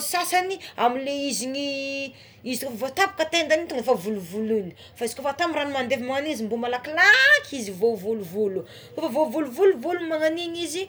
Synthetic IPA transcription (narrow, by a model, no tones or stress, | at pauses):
sasaniamileizini | izitkofvot̪apḁkət̪end̪anit̪uŋefavuluvuluni̥ | faizikofat̪amiranimand̪evimaŋanizimbumalakilakʰizivovuluvulu | kofavovuluvuluvulumaŋaninizi